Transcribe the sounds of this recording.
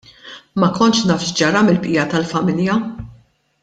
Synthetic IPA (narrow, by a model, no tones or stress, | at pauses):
mɐkɔnʃnɐːfʃd͡ʒɐɾɐmɪlpʔɪːjɐt̪ɐlfɐmɪljɐ